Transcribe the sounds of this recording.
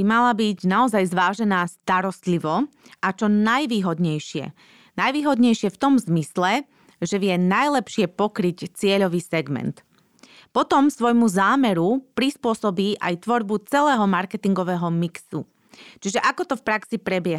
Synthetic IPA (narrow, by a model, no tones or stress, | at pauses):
imalabiɟnaɔzajzʋaːʒɛnaːst̪aɾɔst̪liʋɔat͡ʃɔnajʋiːɦɔd̪ɲɛjʃɪɛ̰ | najʋiːɦɔd̪ɲɛjʃɪɛft̪ɔmzmislɛ | ʒɛʋɪɛnajlɛpʃɪɛpɔkɾict͡sɪɛʎɔʋiːsɛɡmɛ̰nt̪ | pɔt̪ɔmsʋɔjmuzaːmɛɾupɾispʊɔsɔbiːʔajt̪ʋɔɾbut͡sɛlɛːɦɔmaɾkɛt̪iŋɡɔʋɛːɦɔmiksṵ | t͡ʃiʒɛʔakɔt̪ɔfpɾaksipɾɛbɪjɛɦ